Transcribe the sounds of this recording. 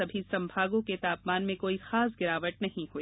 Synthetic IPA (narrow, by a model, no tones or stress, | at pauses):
ɐbʱisɐ̃mbʱaːɡõket̪aːpmaːnmẽkoːixaːs̬ɡɪɾaːʋəʈ̪̚nɐɦĩɦuiː